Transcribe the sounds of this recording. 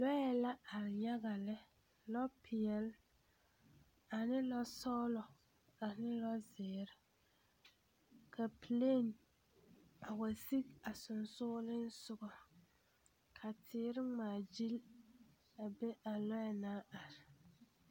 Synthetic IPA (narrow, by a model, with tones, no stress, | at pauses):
lɔ˦jɛ˦la˦a˨ɾɪ˨ɲa˦ɡa˨lɪ˦ | lɔ˦pʰɪ˨ɛ˨l | a˨nɪ˦lɔ˦sɔ˦lɔ˨ | a˨nɪ˦lɔ˦zɪː˨ɾɪ˦ | kʰa˨pi˨le˦˨n | a˨wa˨si˦ka˨sʊ˨nsʊː˦lɪ˦n̩˦sʊ˦ɡɔ˨ | kʰa˨tʰɪː˨˦ɾɪ˦ŋaː˨d͡ʒi˦l | a˨be˦ʔa˨lɔ˦jɛ˦naː˦a˨ɾɪ˨